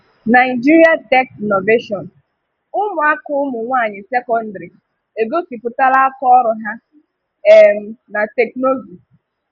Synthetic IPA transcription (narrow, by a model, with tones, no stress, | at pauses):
na˨ɪ˨d͡ʒi˦ɾi˦a˦tɛ˦kno˨ve˦ʃɔ˨n | ʊ˦mʊ˨a˦kʊ˦mʊ˨ŋʷaː˦˨ɲɪ˨se˦kɔ˦n̩˦dɾi˨ | e˨ɡo˦si˨pʊ˨ta˦la˦a˦kɔ˦ɔ˦ɾʊ˨ɦa˦ | e˦˨m̩˨na˨te˨kno˦zi˨